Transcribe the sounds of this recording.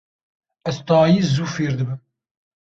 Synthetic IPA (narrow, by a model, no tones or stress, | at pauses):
ɛzt̪ɑːjizuːfeːɾd̪ɨbɨm